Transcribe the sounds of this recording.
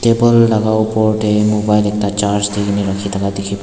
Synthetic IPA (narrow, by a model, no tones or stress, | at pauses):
ʈeːbəlːɐɡaupoɾʈemobajlek̚t̪at͡ʃaɾsd̪iɡniɾɐkʰit̪ɐɡad̪ikʰip